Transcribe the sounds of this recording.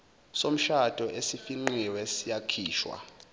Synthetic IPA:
som̩ʃad̥ʱɔʔesifiŋ͡ǃiwɛsijakʰiːʃwa̰

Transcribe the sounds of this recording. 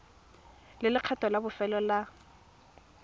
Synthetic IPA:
lɪlɪq͡χʰatʼɔlabʊfɛlɔla

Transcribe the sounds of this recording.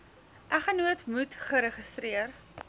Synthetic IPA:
ʔæχənuətmutχəɾəχəstriər

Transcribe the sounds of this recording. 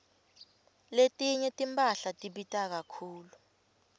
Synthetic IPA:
letʼiɲɛtʼimpʼaɬatʼiɓitʼak̬akʰuːlu

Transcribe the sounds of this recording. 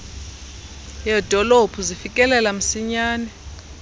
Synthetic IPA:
jɛd̥ʱɔlopʰuzifikʼɛlɛlam̩siɲaːnɛ

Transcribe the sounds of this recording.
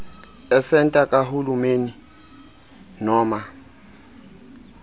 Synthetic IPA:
ɛsɛntʼakʼahulumeːni | nɔːma

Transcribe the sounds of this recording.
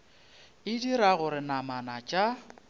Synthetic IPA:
ɪdiɾaɣʊɾɪnamanat͡ʃʼa

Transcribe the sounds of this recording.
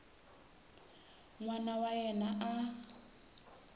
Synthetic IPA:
ŋwanawajɛnaʔa

